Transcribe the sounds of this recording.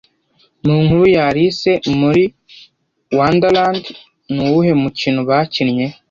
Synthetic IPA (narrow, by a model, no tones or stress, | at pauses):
nuːŋhuɾujaɾise̞muɾi | wandaland | nuwuhe̞mucinuβaːcinɲe̞